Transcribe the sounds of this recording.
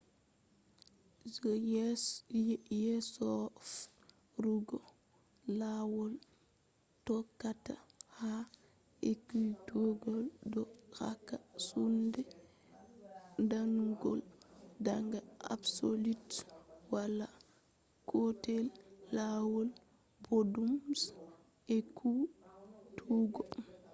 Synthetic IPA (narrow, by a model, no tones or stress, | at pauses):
jesɔf | ɾuɡo | lawol | tokataha | ekutoɡoldɔxa̰kːasunde | ndanuɡɔldaŋɡaa̰bsolitwala | kʰotɛlːawɔl | bodums | ɛkʰu | tʰuɡɔ